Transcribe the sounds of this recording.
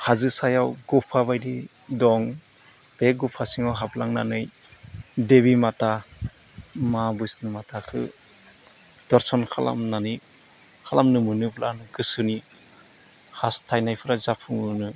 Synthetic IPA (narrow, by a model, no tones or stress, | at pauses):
hazɯsajawɡupʰaβajdi | dɔŋ | b̥eɡupʰasiŋawɦablaŋna̰nɯj | deβimata | mabɯjsnɯmatʰakʰɯ̰ | d̥ɔɾsɔnkʰala̰mnani | kʰalamnɯmɯnɯblanɯɡɯsɯni | hastʰajnajpʰɯɾazapʰuŋɯnɯ